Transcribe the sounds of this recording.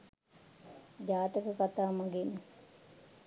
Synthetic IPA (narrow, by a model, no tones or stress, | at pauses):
d͡ʒaːt̪əkəkat̪aːmaɡen